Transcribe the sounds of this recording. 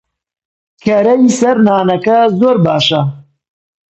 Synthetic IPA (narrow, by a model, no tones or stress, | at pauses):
kʰɐɾɐjisɐɾnaːnɐkɐzoːɾbaːʃɐ